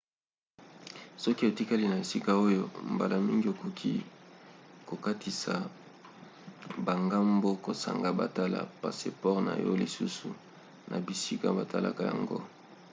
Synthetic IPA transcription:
sɔ˦ki˦e˨ti˦ka˦li˦na˨e˨si˦ka˦o˦jo˦mba˨la˨mi˦ŋɡi˦o˨kʰo˨kʰi˦ | ko˨ka˦tʰi˨sa˨ | ba˨ŋɡa˦mbo˦ko˨sa̰˨ŋɡa˨ba̰˨ta˦la̰˨pa̰˨se˦pɔ˦ʁna̰˨jɔ̰˦li˨su˦su˨ | nʔa˨bi˨si˦ka˦ba˨ta˦la̰˨ka˨ja̰˨ŋɡo̰˦

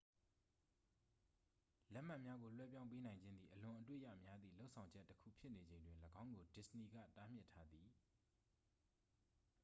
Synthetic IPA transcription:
lɛ˦ʔm̥ã˦˨mja˦ɡo˨l̥wɛ̰˦pjã˦ʊ̃mp̬e˦nã˨ɪ̃ɲd͡ʑɪ̃˦nd̪ði˨ʔəlʊ̃˨ʔətwḛ˦˨ja̰˦˨mja˦d̪ðḭ˦˨lo˦ʊʔsʰã˨ʊ̃ɲd͡ʑɛ˦tːəkʰṵ˦˨pʰjɪ˦ʔne˨d͡ʑẽ˨ɪ̃ndwɪ̃˨ləɡã˦ʊ̃ŋɡo˨dɪ˦˨sni˨ɡä̰˦˨ta˦m̥jɪ˦˨tʰːa˦d̪ði˨

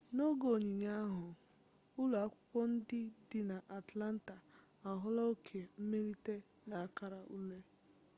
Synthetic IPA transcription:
no˦ɡo˨ɲi˨ɲa˦a˦ɦʊ˨ | ʊ˦lu˨a˦kʷʊ˦kʷɔ˦n̩˦dɪ˦dɪ˨na˨ʔa˨tla˦n̩˦ta˨ | a˨ɦʊ˦lɔ˦o˦kʰe˨m̩˦me˦li˦te˦ | na˨a˦˨ka˦ɾa˨ʔṵ˦le˦

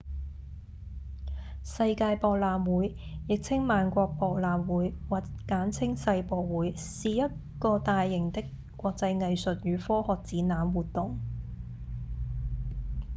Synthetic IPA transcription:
sɐ˧jkaː˧jpɔː˨˧k̚laː˨mwuː˨˥j | jɪ˨k̚t͡sʰɪ˥ŋmaː˨˧nkʷɔː˧k̚pɔː˧k̚laː˨mwuː˨˥jwaː˨˩tkaː˨˥nt͡sʰɪ˥ŋsɐ˧jpɔː˨˧k̚wuː˨˥j | siː˨jɐ˥t̚ | kɔː˧t̪aː˨˧jːɪ˨˩ŋt̪ɪ˥kʷː | ɔː˧k̚t͡sɐ˧jŋɐ˨jsɵ˨t̚jyː˨˧˥fɔː˥hɔː˨k̚t͡siː˨˥naː˨˥mwuː˨t̚t̪ːʊ˨˩ŋ

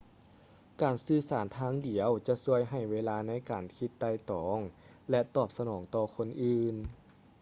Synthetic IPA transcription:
kaː˨˩nsɯː˧˩saː˩˦nt̪ʰaː˧˥ŋdi˨˩˦əwt͡ɕa˧˦su˧˥əjɦa˨˩jweː˧laː˧na˧˥˨jkaː˨˩nkʰi˧t̪ːa˧˩jt̪ɔː˩˦ŋ | lɛ˧t̪ɔː˧˩p̚sa˧nɔː˩˦ŋt̪ɔː˧kʰo˧˥nʔɯː˧n

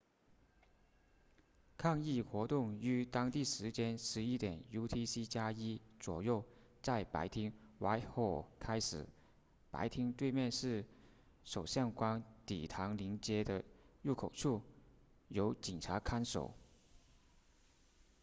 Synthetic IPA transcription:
kʰɑ˥˧ŋi˥˩xwɔ˧˥t̪ʊ˥˩ŋy˧˥t̪ɑ˥ŋt̪i˥˩ʂɻ̩˧˥t͡ɕjɛ˥nʂɻ̩˧˥i˥t̪jɛ˨˩nju˥t̪ʰi˥si˥t͡ɕja˥i˥t͡swɔ˨˩jo˥˧ʊ | t͡sa˥˩ɪpa̰˧˥ɪt̪ʰi˥ŋwa˧˥ɪxɔ˨˥˩kʰa˥ɪʂɻ̩˨˩˦ | pa̰˧˥ɪt̪ʰi˥ŋt̪we˥˧ɪmjɛ˥˧nʂɻ̩˥˩ | ʂo˨˩ʊɕjɑ˥˩ŋkwa˥nt̪ḭ˨˩t̪ʰɑ˧˥ŋli˧˥ŋt͡ɕjɛ˥d̪ə˧ɻu˥˩kʰo˨˩ʊʈ͡ʂʰu˥˩ | jo˧˥ʊt͡ɕi˨˩ŋʈ͡ʂʰa˧˥kʰa˥nʂo̰˨˩˦ʊ

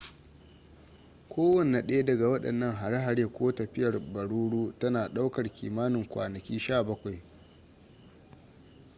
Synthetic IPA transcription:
kʷoː˦wɐ˦˨n˨a˨ɗɐ˦e˦dɐ˨ɡa˨wɐ˦ɗɐ̰˨nːɐ˦ŋɦa˨ɽa˦ɦa˨ɾeː˦kʷoː˦tɐ˨ɸɪ˦jɐ˨rbɐ˨ɽuː˦ɽuː˦tɐ˦naː˨ɗa˦wkɐ˨rkʲḭː˨maː˦nɪ˨ŋkʷa̰ː˨nɐ˨kʲiː˦ʃaː˦˨bɐ˦kʷa˨j

